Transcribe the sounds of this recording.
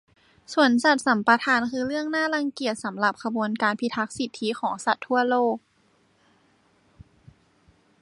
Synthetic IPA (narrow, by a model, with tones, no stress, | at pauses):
su˨˩ənsa˨˩t̪̚sa˩˦mpa˧t̪ʰaː˧nkʰɯː˧ɾɯ˥˩əŋnaː˥˩la˧ŋki˨˩ət̪̚sa˩˦mla˨˩p̚kʰa˧bu˧ənkaː˧npʰi˧t̪ʰːa˦˥k̚si˨˩t̪ʰːi˦˥xʰɔː˩˦ŋsa˨˩t̪ʰːu˥˩ɐloː˥˩k̚